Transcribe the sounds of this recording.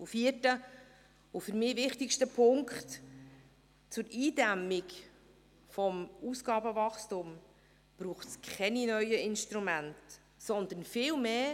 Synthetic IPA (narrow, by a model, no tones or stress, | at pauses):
ufiətə | ʊfʏɾmɪːvɪχtɪʃtəpʰʊŋkχt | t͡sʊɾiːdɛmːɪk | fɔmusɡ̥ɑːbəvɑχstʊm | b̥ɾuːχtskʰχɛninœʏəʔɪnʃtɾumænt | sɔnd̪ənfɪːlmeː